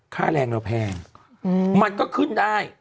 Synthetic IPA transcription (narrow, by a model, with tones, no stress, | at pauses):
kʰaː˥˩lɛː˧ŋla˧˩pʰɛː˧ŋ | ma˧nkɔː˥˩kʰɯ˥˩ndaː˥˩j